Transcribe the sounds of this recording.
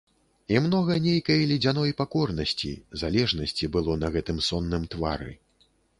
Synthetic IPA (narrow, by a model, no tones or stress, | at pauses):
imnɔɣɐnʲejkɐjɐlʲid͡zʲanɔjpakɔrnɐsʲt͡sʲḭzalʲɛʐnɐsʲt͡sʲibɨlˠɔnɐɣɛt̪ɨmsɔnːɨmt̪va̰ɾɨ̰